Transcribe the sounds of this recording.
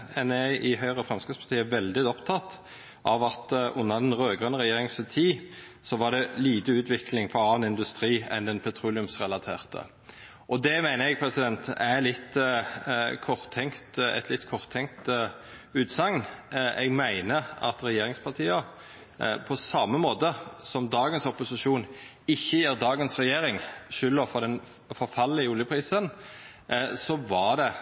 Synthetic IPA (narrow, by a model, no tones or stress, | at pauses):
ɛnɛʔɪɦœʏʁəfɾʁɑmskəspʰɑʁt̪ʰiːəʋɛld̪ɪɔpt̪ʰɑt̪ | ʔɑʋɑt̪ʔʊnːəd̪ɛnʁøːɡʁənəɾɛjeːɾɪŋsɑt̪ʰiː | sɔʋɑɖɛliːt̪əʉːt̪ʰʋɪklɪŋfɔɾɑːnɪnd̪ʉst̪ɾiːɛ̰nd̪ɛnpʰɛt̪ʰɾuːlɪʉmsʁɛlɑt̪ʰḛːʁt̪ʰə̰ | ʔɔd̪ɛmæɪnəɛɡ̚pʰɾɛsɪd̪ɛnt̪ælɪt̪ː | kʰɔʁt̪ʰːɛŋt̪ɛ̰t̪lɪt̪ːkʰɔʁt̪ʰːɛŋt̪ | ʉːt̪sɑŋnʔɛɡmæɪnəɑ̰t̪ɾɛjeːɾɪŋspʰɑʁt̪ʰiːɑ | pʰɔsɑmːəmoːt̪əsɔmd̪ɑːɡənsɔpːʊsɪʃuːn | ɪçːəjiːʁd̪ɑːɡənsʁɛjeːɾɪŋʃʏlːəfɔd̪ɛn | fɔɾfɑlːɪəuːljəpʰɾiːsən | sɔʋɑʁd̪ɛ